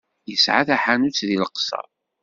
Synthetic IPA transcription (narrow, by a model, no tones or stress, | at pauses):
jəsʕaθæħanut͡sðiləqsɑ̰ˤ